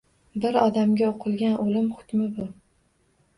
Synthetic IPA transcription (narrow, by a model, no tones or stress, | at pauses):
bɪɾɒd̪amɡʲaoqʰɨlˠɡʲanʔolɪmχʊ̥t̪ʲmɪbʊ